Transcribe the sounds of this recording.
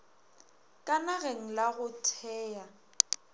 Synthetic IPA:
kʼanaɣeŋ̩laɣʊtʰɛːja

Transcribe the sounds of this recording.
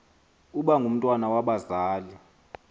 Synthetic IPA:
uɓaŋɡʱum̩tʼwanawaɓazaːli

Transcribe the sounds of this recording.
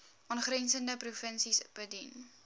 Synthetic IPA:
ʔɑnχrɛnsəndəprufənsisb̥ədin

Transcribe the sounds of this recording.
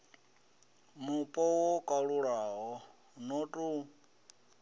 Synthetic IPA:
mupʼɔwɔkʼaɺuɺaɦɔ | nɔtʼu

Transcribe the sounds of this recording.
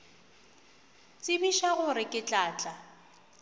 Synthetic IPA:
t͡sʼɪbiʃaɣʊɾɪkʼɪt͡ɬʼaːt͡ɬʼa

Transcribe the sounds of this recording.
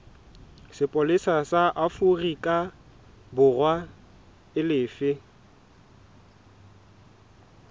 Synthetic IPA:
sɪpʼolɪsasaʔafurikʼa | bʊrwa | ɪlɪːfɪ

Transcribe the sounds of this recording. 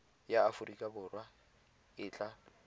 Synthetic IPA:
jaːfʊrikʼabʊːrwa | ɪːt͡ɬʼa

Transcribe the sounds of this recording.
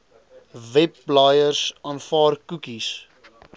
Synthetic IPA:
vɛp̚blɑjərsɑːnfɑːrkukis

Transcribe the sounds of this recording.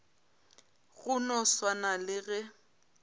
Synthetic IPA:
ɣʊnɔswanalɪɣɛ

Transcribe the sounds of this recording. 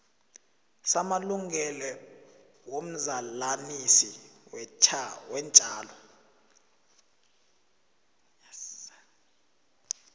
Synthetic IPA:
samaluŋɛlɛ | wom̩zalanisiwɛt͡ʃʰawɛnt͡ʃʼaːlɔ

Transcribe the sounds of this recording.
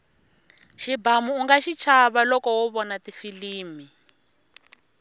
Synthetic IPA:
ʃibamuːŋɡaʃit͡ʃʰaβalɔkɔwɔβɔnatifiliːmi

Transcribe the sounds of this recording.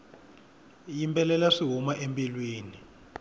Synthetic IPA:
jimpʰʼɛlɛlaʂiɦumaʔempʼilwiːni

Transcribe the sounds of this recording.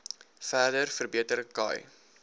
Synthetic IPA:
fæːrdərfərbiətəɾəkɐ̰j

